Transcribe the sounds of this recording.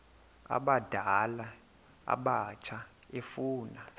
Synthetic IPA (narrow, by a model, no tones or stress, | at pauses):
a̰ɓad̥ʱala | a̰ɓat͡ʃʰa | efuːna